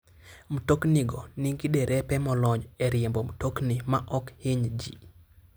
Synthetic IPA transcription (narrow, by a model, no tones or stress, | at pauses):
mtokniɡɔniŋɡideɾʔɛpɛmɔlɔd͡ʒɛɾjembom̩toknimaʔɔkhɪɲd͡ʒḭ